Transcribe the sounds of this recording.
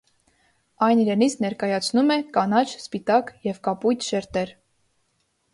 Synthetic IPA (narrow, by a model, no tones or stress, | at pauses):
ɑjniɾɛnit͡sʰnɛɾkɑjɑt͡sʰnumɛkɑnɑt͡ʃʰspit̪ɑkjɛvkɑpujt̪ʰʃɛɾt̪ɛɾ